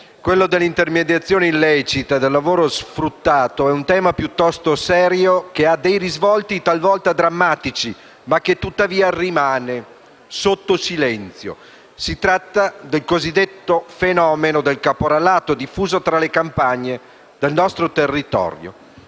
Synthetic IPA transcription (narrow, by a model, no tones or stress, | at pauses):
kwelːod̪elːint̪ermed̪jat̪sːjoːneillɛt͡ʃit̪ad̪elːavoːɾosfɾut̪ːaːt̪oɛunt̪ɛːmapjut̪ːɔst̪osɛːɾjokead̪ejɾizvɔlt̪it̪alvɔlt̪ad̪ɾamːaːt̪it͡ʃi | mak̟ːet̪ːut̪ːaviːarimaːne | sot̪ːosilɛnt̪sjo̰ | sit̪ɾat̪ːad̪elkozid̪ːet̪ːofenɔːmenod̪elkapoɾalaːt̪od̪ifːuːzot̪ɾalekampaɲːe | d̪elnɔst̪ɾot̪erːit̪ɔ̰ɾjo̰